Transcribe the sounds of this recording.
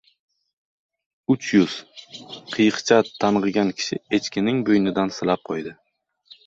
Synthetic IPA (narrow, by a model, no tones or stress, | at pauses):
ʊt͡ʃʰjʊz̥qʰɨjɨqt͡ʃʰat̪ʰːanʁɨɡʲankʲʰɪ̥ʃɪe̞t͡ʃkʲʰɪnɪŋbojnɪd̪ansɪlap̚qʰojd̪ɪ